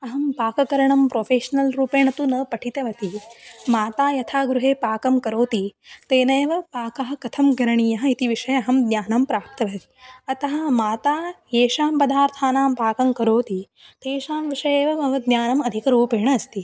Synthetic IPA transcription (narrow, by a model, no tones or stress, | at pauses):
ɐɦɐmpaːkɐkɐɾɐɳɐmpɾoːpʰeːʃɐnɐlɾuːpeːɳɐt̪unɐːpɐʈʰit̪ɐʋɐt̪imaːt̪aːjɐt̪ʰaːɡɾuɦeːpaːkɐmkɐɾoːt̪it̪eːnɐjɐʋɐpaːkɐɦɐ̆kɐt̪ʰɐmɡɐɾɐɳiːjɐɦɐ̆it̪iʋiʂɐjɐɐɦɐmd̪njaːnɐmpɾaːp̚t̪ɐʋɐt̪iɐt̪ɐɦɐ̆maːt̪aːjeːʂaːmpɐd̪aːɾt̪ʰaːnaːmpaːkɐmkɐɾoːt̪i | t̪eːʃaːmʋiʂɐjeːʋɐɐʋɐd̪njaːnɐmɐd̪ʱikɐɾuːpeːɳɐɐst̪i